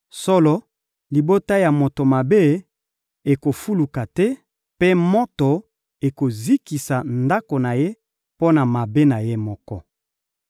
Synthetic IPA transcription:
sɔ˦lɔ˦ | li˨bo˦ta˦ja˨mo˨to˨ma˨be˦ | e˨ko˨fu˦lu˨ka˨tɛ˦ | pe˦mɔ˦to˨ | e˨ko˨zi˦ki˨sa˨nda˦ko˨na˨je˦ | po˦na˨ma˨be˦na˨je˦mɔ˦kɔ̰˦

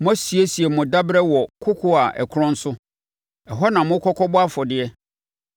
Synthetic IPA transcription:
mʊ̃˦a˦si˨e˦si˨ɛ˨mʊ̃˨da˦bɾɛ˦wɔ˨kʰʊ˦kʰʊ˦a˨ʔɛ̰˨kʰʊ˦ɾɔ̃˦n̩˦sʊ˦ | ɛ˨ɦɔ˦nã˨mʊ̃˦kʰɔ˦kʰɔ˦bʊ˦a˦fɔ˨dɪ˨ɛ˦

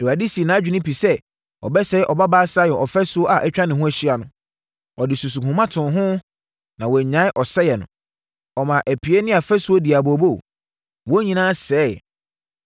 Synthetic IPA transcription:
ɛ˨wa˨di˦si˨nã˨˦d͡ʑᶣi˦nɪ̃˦pi˨sɛ˦ | ɔ̰˨bɛ˦sɛ˦ʔɔ˨ba˦baː˦saː˦jɛ˨ʔɔ˨fɛ˦sʊ˦o˦ʔa˨ʔɛ˦t͡ɕᶣɾa˦nɪ̃˨ɦʊ̃˦æ˨ɕi˦a˨nʊ̃˨ | ɔ˨dɪ˨su˨su˨ɦʊ̃˨mã˦tʰʊ̃˨ɦʊ̃˦ | nã˨wɔ˨ɲã˦ɪ˦ʔɔ˨sɛ˦jɛ˨nʊ̃˨ | ɔ˨mã˨ʔæ˨pʰi˨e˦nɪ̃˦a˨fɛ˦sʊ˦o˦di˨a˨bo˨bo˦˨ | wɔ˦ɲĩ˨nãː˦sɛː˦˨

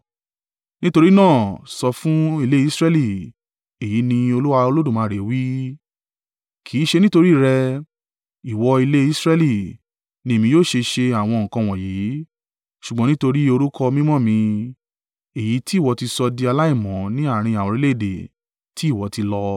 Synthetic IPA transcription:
nĩ˦to˧ɾi˦nãː˦˨sɔ˧fũ˦i˧le˦i˦sɾɛ˦li˦˨ | e˨ji˨˦nĩ˧o˧lu˦wa˧o˧lo˦dũ˦˨mãː˨˦˨ɾe˨˦wi˦ | kʰiː˨˦ʃe˧nĩ˦to˧ɾi˦˨ɾɛ˧ | i˨wɔ˧i˧le˦i˦sɾɛ˦li˦˨ | nĩ˧e˨mĩ˧joː˦˨ʃe˧ʃe˧a˨w̃ɔ̃˧˨kã˧w̃ɔ̃˨ji˨˦ | ʃu˨ɡ͡bɔ̃˨˦nĩ˦to˧ɾi˦o˧ɾu˦kʰɔ˧mĩ˦mɔ̃˦˨mĩ˧ | e˨ji˨˦ti˦˨wɔ˨˧ti˧sɔ˧di˧a˧la˦i˦˨mɔ̃˨˦nĩ˦a˦˨ɾ̃ĩ˧ã˨ɔ̃˨ɾi˦le˦i˨dḛ˨ | ti˨˦i˦˨wɔ˨˦ti˧lɔ˧

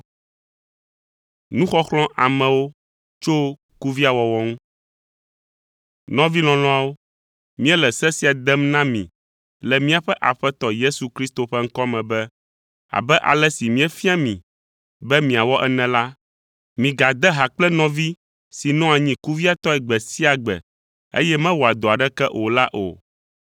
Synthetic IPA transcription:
nũ˦xɔ˦xlɔ̃˦ʔa˨mɛ̃˨wo˦ | t͡ʃo˦ | ku˦vi˦a˨wɔ˨wɔ˦ŋũ˦ | nɔ̃˦vi˦lɔ̃˨lɔ̃˦a˨wo˦ | mĩ˦ɛ˦lɛ˨sɛ˦si˨a˨d̪ɛ˦mnã˦mḭ̃˨ | lɛ˨mĩ˦a˨ɸɛ˦ʔa˨ɸɛ˦t̪ɔ˨je˦su˨kɾi˦st̪o˨ɸɛ˦ŋ̩˦kɔ˦mɛ̃˨bɛ˦ | a̰˨bɛ˦ʔa̰˨lɛ˦si˨mĩ˦ɛ˦fĩ˦a˦mḭ̃˨ | bɛ˦mĩ˨a˨wɔ˦ʔɛ˦nɛ̃˨la˦ | mĩ˨ɡa˨d̪ɛ˦ɦa˨k͡plɛ˦nɔ̃˦vi˦ | si˨nɔ̃˦a˨ɲĩ˦ku˦vi˦a˨t̪ɔ˦ɛ˨ɡ͡bɛ˨si˦a˨ɡ͡bɛ̰˨ | ḛ˦jɛ˦mɛ̃˦wo˨a˨d̪o˨a˨ɖɛ˦kɛ˦ʔo˨la˦ʔo̰˨

